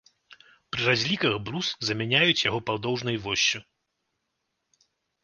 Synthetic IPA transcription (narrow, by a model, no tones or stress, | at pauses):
pɾɨrazʲlʲikɐɣbɾuszɐmʲanʲajut͡sʲjaɣɔpawd̪ɔwʐnɐjvɔsʲːu